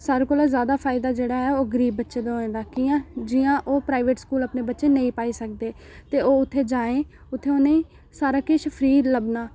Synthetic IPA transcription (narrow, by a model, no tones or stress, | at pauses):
saːɾekoːlaːzjaːd̪aːpʰaːɪd̪aːd͡ʒeːɽaːɛːoːɡəɾiːbːətːʃeːd̪oẽːd̪aːkiːãːd͡ʒɪːãːʔoːpɾaːɪʋeːʈskuːləpneːbətːʃeːnəĩːpaːiːsək̚d̪eː | t̪eːoːʊt̪ʰːeːd͡ʒaːẽː | ʊt̪ʰːeːoːnəĩː | saːɾaːkeʃəpʰɾiːɾləbnaː